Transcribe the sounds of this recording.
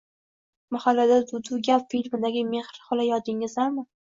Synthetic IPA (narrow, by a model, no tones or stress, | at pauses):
mahalːad̪ad̪ʊd̪ʊɡʲapfilʲmɪd̪aɡʲɪme̞hɾχɒlajɒd̪ɪŋɪzlaɾmɪ